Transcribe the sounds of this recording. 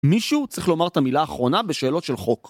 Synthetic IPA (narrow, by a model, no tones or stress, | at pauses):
miʃut͡sʁiχlo̞maʁt̪amilaːχʁo̞nabe̞ʃe̞ːlo̞t̪ʃe̞lχo̞k